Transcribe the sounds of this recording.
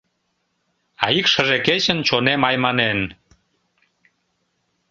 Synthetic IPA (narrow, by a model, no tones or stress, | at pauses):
ɑikʃəʒeket͡ɕə̆nt͡ɕonemɑjmɑnen